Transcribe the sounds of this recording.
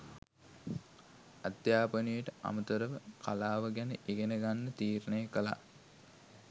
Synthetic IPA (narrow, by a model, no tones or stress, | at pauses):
ad̪jaːpənijəʈəʔa̰mət̪əɾəʋəkʰalaːʋəɡænəʔeɡenəɡanːət̪iːɾənəjəkəla̰